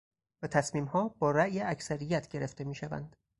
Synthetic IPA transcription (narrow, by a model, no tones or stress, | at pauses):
væt̪ʰæsmiːmhɒːbɒːɾæʔjeæcsæɾijæt̪ʰɟe̞ɾe̞ft̪e̞miːʃævæ̰nd̪̥